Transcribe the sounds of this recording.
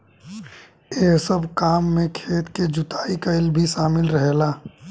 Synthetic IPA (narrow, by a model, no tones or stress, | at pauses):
eːɦsəbʱkaːmːẽkʰeːt̪ked͡ʒʊt̪aːikaɪlbʱiʃaːmɪlɾəɦelaː